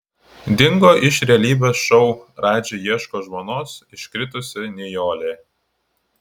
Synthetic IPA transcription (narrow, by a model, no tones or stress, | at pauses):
d̪ʲɪŋɡoːʔɪʃɾʲɛlʲiːbʲɛːsʃɔʊɾɑːd͡ʒʲejiɛʃkoːʒmoːnoːsɪʃʲkʲɾʲɪt̪ʊsʲɪnʲɛjoːlʲeː